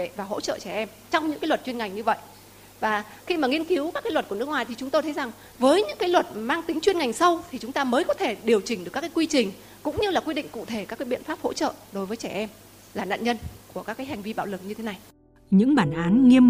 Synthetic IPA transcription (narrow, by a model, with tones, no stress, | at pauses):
e˧˨vaː˨˩ɦo̰˧˥t͡ɕə̰ː˧˨t͡ɕɛ˧˩ʔɛ˧m | t͡ɕɔ˧wŋ͡mɲɨ̰˧˥kaː˨˦jlwə˨˩t̚t͡ɕwi˧ənŋa˨˩jŋɲɨ˧və̰˧˨jʔ | vaː˨˩xi˧maː˨˩ŋi˧ənki˨˦wkaː˦˥kaː˨˦jlwə˩t̚ku˧˩n˦˥əkŋwaː˨˩jt̪ʰi˨˩t͡ɕʊ˨˦ŋ͡mt̪o˧jt̪ʰə˨˦jza˨˩ŋ | vəː˨˦jɲɨ̰˧˥ŋkaː˨˦jlwə˨˩t̚maː˧ŋt̪i˨˦ŋt͡ɕwi˧ənŋa˨˩jŋ̟sə˧wt̪ʰi˨˩t͡ɕʊ˨˦ŋ͡mt̪aː˧məː˨˦jkɔ˨˦t̪ʰe˧˩ɗi˨˩əwt͡ɕï˨˩ŋ̟ɗɨ˨˩ka˦˥kːaː˨˦kwi˧t͡ɕï˨˩ŋ̟ | kʊ̰˧˥ŋ͡mɲɨ˧laː˨˩kwi˧ɗḭ̈˧˨ŋ̟kṵ˧˨t̪ʰe˧˩kaː˦˥kːaː˨˦ɓḭ˧˨ənfaː˦˥p̚ho̰˧˥t͡ɕə̰ː˧˨ɗo˨˦jvəː˨˦jt͡ɕɛ˧˩ʔɛ˧m | laː˨˩na̰ː˧˨nɲə˧nku˧˩əkaː˦˥kːaː˨˦jɦa˨˩jŋ̟vi˧ɓaː˧˩wlɨ˨˩k̚ɲɨ˧t̪ʰe˨˦na˨˩j | ɲɨ̰˧˥ŋɓaː˧˩nʔaː˨˦nŋi˧əm